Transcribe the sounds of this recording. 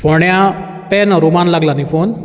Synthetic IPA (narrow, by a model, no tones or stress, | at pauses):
foɳjã | pɛnɾumanlaɡlanifon